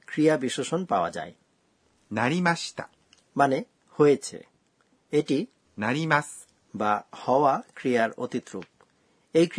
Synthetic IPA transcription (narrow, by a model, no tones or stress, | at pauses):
kɾijabiʃoʃonpaoa̰d͡ʑa̰e | naɾʲimaɕi̥t̪a̰ | mane | hojet͡ɕʰḛ | eʈi | naɾʲimasɨ̥ | bahɔoakɾijaɾo̰t̪it̪ːɾuk̚ | ejk